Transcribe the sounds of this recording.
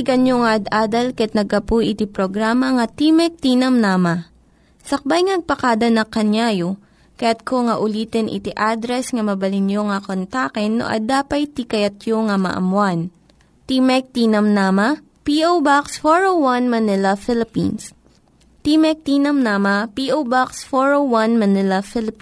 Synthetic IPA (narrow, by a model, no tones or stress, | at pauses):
ɪɡɐnjoŋɐʔɐd̪aːd̪ɐlkɐɐt̪nɐɡ̚ɐpujʔɪt̪ipɾoɡɾaːmɐŋɐt̪imɛk̚t̪iːnɐmnamɐ | sɐk̚bajŋɐɡ̚pɐkaːd̪ɐnɐkɐnjajo | kɐjat̪̚kʰoŋɐʔʊliːt̪ɛnʔɪ̰t̪iʔad̪ɾɛsŋɐmɐbɐlɪnjoŋɐkont̪akɛnːo̰ʔɐ̰d̪aːpɐjt̪ikɐjɐt̪̚joŋɐmɐ̰ʔɐ̰mwan | t̪imɛk̚t̪iːnɐmnaːmɐ | piʔowbaksfoɹowwɐnmɐnɪlɐfɪlɪpḭns | t̪imɛk̚t̪iːnɐmnaːmɐpiʔowbaksfoɹowwanmɐnɪlɐfɪlɪp